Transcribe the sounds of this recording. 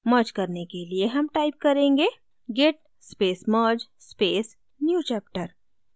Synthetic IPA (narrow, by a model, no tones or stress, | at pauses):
məːd͡ʒkɐɾnekelieɦɐmʈaːɪp̚kɐɾẽːŋɡeː | ɡɪʈ̚ | speːsmɐːd͡ʒ | speːs | njuːt͡ʃɛːp̚ʈəɾ